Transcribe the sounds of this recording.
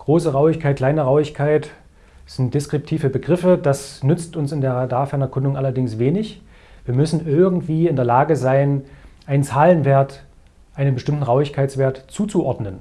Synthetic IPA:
ɡ̥ʁoːsəʁaʊɪçkʰaɪt̚kʰl̥aɪnəʁaʊɪçkʰaɪt | z̥ɪnt̚d̥eskʁ̥ɪp̚tʰiːvəbəɡʁɪfəd̥asnʏt͡stʊnsɪndeːɐʁadaːɐfɛɐnɛɐkʰʊndʊŋʔalɐdɪŋsv̥eːnɪç | viːɐmʏsn̩ʔɪɐɡŋ̩tv̥iːɪndeːɐlaːɡəzaɪnʔaɪnt͡saːlənveːɐt | ʔaɪnənbəʃtɪmtn̩ʁaʊɪçkʰaɪt͡sv̥eːɐtt͡suːt͡suʔɔɐdnən

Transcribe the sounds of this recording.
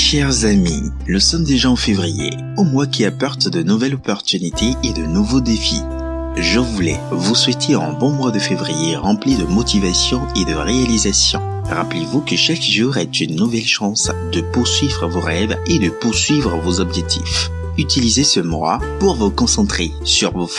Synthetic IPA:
ʃɛʁzami | nusɔmd̪eʒaɑ̃fevʁijḛ | omwakʲiapɔʁt̪d̪ənuvɛlɔpɔʁt̪ynit̪ʰeːd̪ənuvod̪efḭ | ʒəvulɛ̰vuswɛt̪ʰeɑ̰̃bɔ̃mwad̪əfevʁijeʁɑ̃pled̪əmɔt̪ʰivasjɔ̃ed̪əʁealizasjɔ̰̃ | ʁaplevukəʃakʒuʁɛt̪ynːuvɛlʃɑ̃sd̪əpuʁsɥivʁəvoʁɛved̪əpuʁsɥivʁəvozɔbʒɛk̚t̪ʰḭff | yt̪ilizesəmwa̰puʁvukɔ̃sɑ̃t̪χe | syʁvof

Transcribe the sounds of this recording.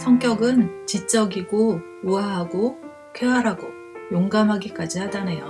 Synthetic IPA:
sʰʌŋk͈jʌɡɯnt͡ɕit͡ɕ͈ʌɡiɡo | uaɦaɡo | kʰeɦaɾɦaɡo | joŋɡamɦaɡik͈ad͡ʑihadanejo̰

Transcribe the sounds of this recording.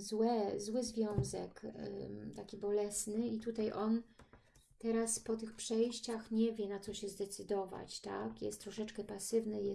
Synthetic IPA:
zwɛzwɘzvʲjɔ̃w̃zɛ̰k | t̪akʲibɔlɛsnɘit̪ut̪ajʔɔn | t̪ɛɾaspɔt̪ɘxpʂɛjɕt͡ɕaxɲɛvʲjɛnat̪sɔɕɛzd̪ɛt̪sɘd̪ɔva̰t͡ɕt̪a̰kjɛ̰st̪t̪ːɾɔʂɛt͡ʂkɛpasɘvnɘjɛ

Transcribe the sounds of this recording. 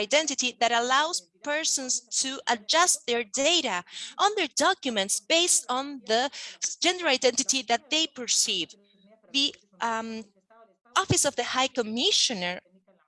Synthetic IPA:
aɪdɛ̃ntɨtiðɨɾəlawz̥ | pɛ˞sə̃nstʰuʔəd͡ʒʌst̪̚ðəɹdeɪɾɨʔə̃nðə˞dɑkjumɨ̃ntsb̥eɪstn̩ðəd͡ʒɛ̃ndə˞aɪdɛ̃ntɨtiðæt̪̚ðeɪpə˞siv | ði | ɔfɨsʌvðɨhaɪkəmɪʃɨ̃nə˞

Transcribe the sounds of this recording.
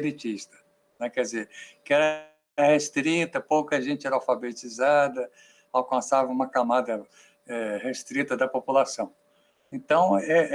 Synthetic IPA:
bet͡ʃiʃt̪ɐ̥ | nɛkɛɪzekɪɛɾɐ | hest̪ɾit̪ɐpowkɐʒẽnt͡ʃɪɛɾɐawfabet͡ʃizad̪ɐ | awkɐ̃savɐũmɐkamad̪ɐ | ɛhest̪ɾit̪ɐd̪ɐpopulasɐ̃w̃ | ẽt̪ɐ̃w̃ɛ

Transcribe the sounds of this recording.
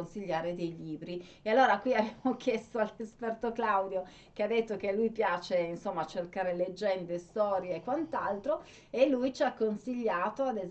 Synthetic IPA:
nsiʎːaːɾed̪ejʎiːbɾiealːoːɾakwiabeamok̟jest̪oalːespɛrt̪oklawd̪jo | kead̪ːet̪ːokelːujpjaːt͡ʃeinsomːat͡ʃerkaːɾeled͡ʒːɛnd̪est̪ɔːɾjeːkːwant̪alt̪ɾo | elːujt͡ʃiakːonsiʎːaːt̪oad̪ez

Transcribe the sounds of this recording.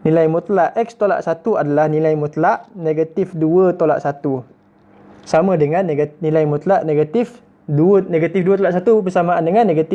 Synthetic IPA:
nilajmut̪laʔɛkst̪ola̰ʔsat̪uadalahnilajmut̪laʔneɡat̪ifduət̪ola̰ʔsat̪u | samãdəŋanɡanilajmut̪laʔneɡat̪if | duəneɡat̪ifduət̪olaʔsat̪ubəsamaandəŋanːeɡat̪i

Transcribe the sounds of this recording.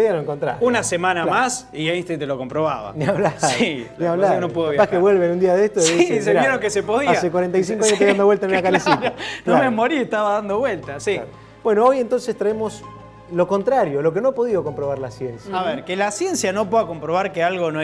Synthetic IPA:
poðianoeŋkont̪ɾa̰ɾunasemanamas | iainst̪ejt̪loko̞mpɾoβa̰βa̰niaβlasiniaβaonopweðojpakeβwelβenund̪iaðeest̪ois̬ejeɾoŋkesepo̞ðiaekwaɾent̪ajs̬iŋkoaɲost̪ajðand̪owelt̪enunakalisinomemoɾieht̪aβaðand̪o̞βwelt̪asi | b̥we̞noojent̪o̞nsest̪ɾaemo̞s | lo̞ko̞nt̪ɾaɾjolo̞k̬enoapo̞ðiðoko̞mpɾoβaɾlasjensjaaβeɾkelasje̞nsjano̞p̬weðako̞mpɾo̞β̞aɾkealɣo̞no

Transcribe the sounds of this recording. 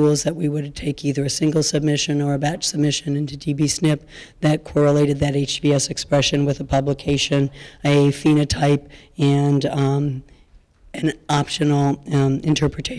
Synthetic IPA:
ulˠzðɨʔ̚wiwəɾtʰeɪkʰiðə˞ɨsɪ̃ŋɡl̩ˠsɨb̚mɪʃɨ̃nə˞ɨbæt͡ʃsəb̚mɪʃɨ̃nɪ̃ntʉdibisnɪp̚ðɨt̚kʰɔɹəleɪɾɨd̪̚ðɨɾeɪt͡ʃb̥iɛsɨkspɹɛʃɨ̃nwɨðəpʰʌbləkʰeɪʃɨ̃nɨfĩñɨtʰaɪpɨ̃nd | ɨ̃nɑpʃɨnl̩ˠɨ̃ntʰɜ˞pɹɨtʰeɪ

